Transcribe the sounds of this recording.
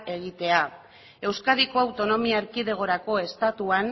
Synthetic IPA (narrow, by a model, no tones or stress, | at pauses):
e̞ɣ̞it̪e̞a | e̞wskað̞iko̞awt̪o̞no̞miaɾkiðe̞ɣ̞o̞ɾako̞e̞st̪at̪uan